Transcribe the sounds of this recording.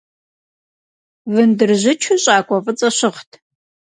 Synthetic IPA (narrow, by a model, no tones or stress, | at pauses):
vɨndɨrʑɪt͡ʃʰuɕʼaːkʷʼɔfʼɨt͡sʼɐɕɪχtʰ